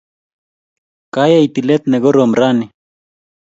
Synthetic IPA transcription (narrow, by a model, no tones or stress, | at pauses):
kajaijt̪ilet̪neɡoɾomɾani